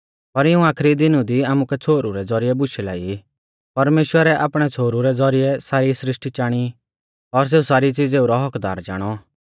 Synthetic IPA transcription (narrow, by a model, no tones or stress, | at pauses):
pɐɾɪũaːkʰɾid̪ɪnũd̪iaːmukɛt͡sʰoːɾuɾɛd͡zɔɾijɛbʊʃʰila̰ːi | pɐɾmeːʃwəɾɛʔa̰ːpɽ̃ɛt͡sʰoːɾuɾɛd͡zɔɾiɛsaːɾisɾɪʂʈit͡ʃaːɽ̃i | ɔɾs̬eːusaːɾit͡sɪd͡zeːuɾɔɦɔkd̪a̰ːɾd͡ʒa̰ːɽ̃ɔ